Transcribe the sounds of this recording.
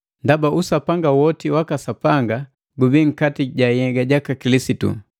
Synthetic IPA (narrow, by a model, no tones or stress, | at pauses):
ndabaʔusapaŋɡawɔtiwakasapaŋɡa | ɡubiŋ̩katiɟajɛɡaɟakakilisitṵ